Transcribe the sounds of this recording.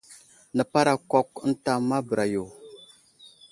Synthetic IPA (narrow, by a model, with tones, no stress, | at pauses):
nə˨pa˦ɾa˨ko˦kn̩˦ta˦ma˦bə˨ɾʔa˨jo˨